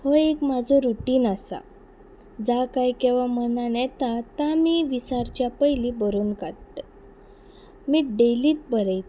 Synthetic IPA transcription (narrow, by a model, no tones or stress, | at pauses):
hɔekmad͡zʱɔɾuʈiːnasa̰ | d͡zakajkɛ̃ʋamənanjɛt̪at̪amiːʋisaɾt͡ɕjapəjlibəɾuːnkaɽt̪ə | miːɖeliːt̪̚bəɾəjt̪